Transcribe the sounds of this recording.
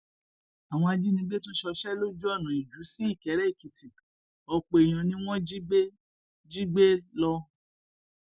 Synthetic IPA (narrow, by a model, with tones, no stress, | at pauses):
a˨w̃ɔ̃˧a˧d͡ʒi˦nĩ˧˦ɡ͡be˦to˦ʃɔ˧ʃɛ˦lo˦d͡ʒu˦ɔ˦˨nã˨i˨d͡ʒu˨˦si˦i˦˨kɛ˨˦ɾɛ˦i˦˨ki˨ti˨ | ɔ˧k͡pe˨j̃ã˧nĩ˦w̃ɔ̃˦d͡ʒi˦ɡ͡be˦ | d͡ʒi˦ɡ͡be˦lɔ˧